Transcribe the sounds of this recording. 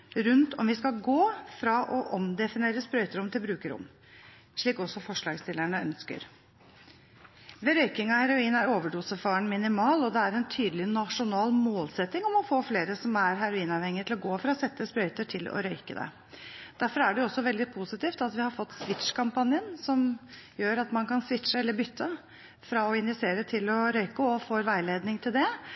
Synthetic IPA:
ɾʉnt̪ʰɔmʋɪskɑɡoːfɾɑʔɔʔɔmd̪ɛfɪneːɾəspɾœʏt̪əɾʊmt̪ʰɪlbɾʉːkəɾʊ̰m | ʂɭiːkɔsːɔfɔʂɭɑːɡst̪ɪlːæɳəœnskə̰ɾ | ʋɛɾœʏkɪŋɑhæɾʊiːnæɾoːʋəɖuːsəfɑːɳmɪnɪmɑːlɔd̪ɛæɾɛnt̪ʰyːd̪lɪnɑʂʊnɑːlmoːlsɛt̪ːɪŋɔmɔfoːfleːɾəsɔmæɾɦæɾʊiːnɑʋhɛŋːɪət̪ɪlɔɡoːfɾɑɔsɛt̪ːəspɾœʏt̪əʈʰɪlɔ̰ɾœʏkəd̪ɛ̰ | d̪̥æɾfɔɾæɖɛjʊɔsːɔʋɛld̪ɪpʰusɪt̪iːft̪ɑt̪ʋɪhɑɾfɔt̪ːsʋɪt̪ʂkʰɑmpɑnjənsɔmjøːɾɑt̪mɑnkɑnsʋɪt̪ʂəɛlːəɾbʏt̪ːə | fɾɑɔɪnʋɪseːɾət̪ʰɪlɔɾœʏkəɔfoːɾʋæɪleːd̪nɪŋt̪ʰɪld̪ɛ

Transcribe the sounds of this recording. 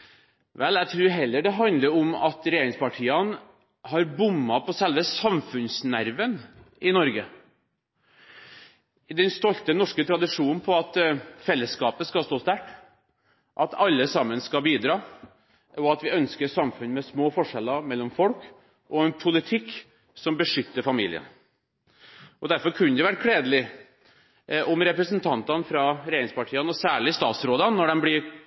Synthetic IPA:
ʋɛlæt̪ʰɾʉːɾɦɛlːəɖɛɦɑnd̪ləɾɔmɑt̪ɾɛjeːɾɪŋspɑʈʰiːɑn | hɑɾbʊmːɑpʰɔsɛlʋəsɑmfʉnsnæɾʋən | ɪnɔɾɡə | ɪd̪ɛnst̪ɔlt̪ənɔʂkət̪ʰɾɑd̪ɪʂuːnn̩pʰɔɑt̪fɛlːəskɑːpəskɑst̪oːst̪æʈ | ʔɑt̪ɑlːəsɑmːənskɑbiːd̪ɾɑː | ʔɔɑt̪ʋɪœnskəɾsɑmfʉnmɛsmoːfɔʂɛlːɑmɛlːɔmfɔlk | ʔɔɛnpʰʊlɪt̪ʰɪkː | sɔmbəʂʏt̪ːəɾfɑmḭːlɪ̰ə̰n | ʔɔd̪æɾfɔɾkʰʉnəd̪ɛʋæʈ̚kʰɽeːd̪əlɪ | ɔmɾɛpɾəsənt̪ʰɑnt̪ɑnfɾɑɾɛɾɪŋspɑʈʰiːɑnɔsæːɭɪst̪ɑːt̪sɾoːd̪ɑnːɔɖɛmblɪɾ

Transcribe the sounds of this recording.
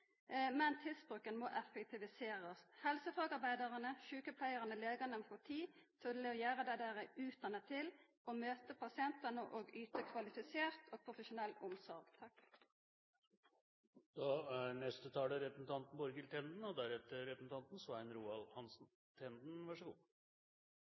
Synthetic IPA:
mɛnt̪ʰɪlsbʁʉkənmɔʔɛfɛkt̪ʰɪʋɪseːɾəshɛlsəfɑːɡɑɾbæɪd̪ɑʁənəʃʉːkəpʰlæɪəʁənəleːɡɑnəmfɔʁt̪ʰiːsʰɔləɔjæːʁəd̪æɪd̪æːʁæʉːt̪ɑnət̪ʰɪl | ɔmøːt̪əpʰɑsɪɛnt̪ənəʔoːɡyːt̪əkʰʋɑlɪfɪseːʁt̪ʰoːɡ̚pʰʁʊfəʃʊnɛlt̪ʊmsɔɾɡ̥t̪ʰɑk | d̪̥ɑːnɛst̪ət̪ʰɑːləɾɛpɾəsn̩t̪ɑnt̪n̩bɔɾɡɪlt̪ʰɛnd̪n̩ɔd̪æɾɛt̪ːəɾɾɛpɾəsn̩ɑnt̪n̩sʋæɪnɾuːɑlhɑnsn̩ | t̪ʰɛnd̪n̩ʋɑʂəɡṵː

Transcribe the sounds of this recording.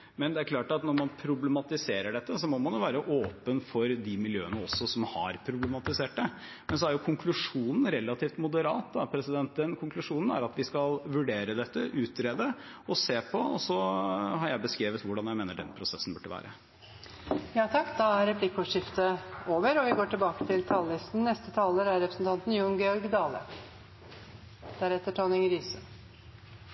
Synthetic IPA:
mɛnd̪ɛæɾkʰlɑːʈɑt̪nɔɾmɑnpʰɾʊblɛmɑt̪ɪseːɾəɖɛt̪ːəsɔmɔmɑnjʊʋæːɾəʔoːpənfɔɾd̪ɪmɪljøːənəɔsːɔsɔmhɑ̰ɾpʰɾʊblɛmɑt̪ɪseːʈd̪ə | mɛns̬ɔæɾjʊkʰʊŋkʰlʉʂuːnn̩ɾɛlːɑt̪ʰiːft̪mʊd̪əɾɑːt̪̚d̪ɑpʰɾɛsɪd̪ɛnt̪ənkʰʊŋkʰlʉʂuːnn̩æ̰ɾɑt̪ʋɪskɑlʋʉɖeːɾəd̪ɛt̪ːə̰ʔʉːt̪ɾeːd̪ə | ɔseːpʰɔɔ̰sɔɦɑɾjæɪbəskɾeːʋət̪ʋʊɖɑnjæɪmeːnəɖɛ̰npʰɾʊsɛsːn̩bʉʈːəʋæ̰ːɾə | jɑːt̪ʰɑkːd̪ɑæɾɾɛpʰlɪkːʊʂɪft̪əoːʋəɾɔʋɪɡoːʈɪlbɑːkə̥t̪ʰɪlt̪ʰɑːllɪst̪n̩nɛst̪ət̪ʰɑːləɾæɾɾɛpɾəsn̩t̪ʰɑnt̪n̩jʊnɡɛɔɾɡd̪ɑːlə̰ | d̪̥æɾɛt̪ːəʈʰɔnɪŋɾyːsə

